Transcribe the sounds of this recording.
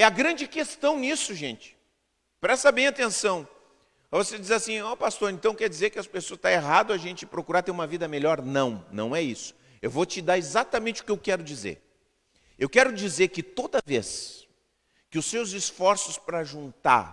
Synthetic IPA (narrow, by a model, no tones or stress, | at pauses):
ɛɐɡɾɐ̃nd͡ʒɪkest̪ɐ̃w̃nisʊʒẽnt͡ʃɪ̥ | pɾɛst̪ɐbẽj̃at̪ẽsɐ̃w̃ | ɛvosed͡ʒizasĩopast̪oɾẽnt̪ɐ̃w̃kɛɾd͡ʒizeɾkɪɐspesoɐst̪aeɦad̪ʊɐʒẽnt͡ʃɪpɾokuɾaɾt̪eɾũmɐvid̪ɐmeʎɔɾnɐ̃w̃nɐ̰̃w̃ɛisʊ̥ | ewvot͡ʃɪd̪aɾezat̪ɐmẽnt͡ʃɪʊ̥kɪewkɛɾʊd͡ʒizḛɾ | ewkɛɾʊd͡ʒizeɾkɪt̪od̪ɐves | kɪʊsːewzisfɔɾsʊspɾɐʒũnt̪a̰ɾ